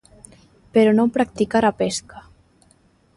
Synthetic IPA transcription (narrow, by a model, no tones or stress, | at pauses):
peɾonopɾak̚t̪ikaɾapeska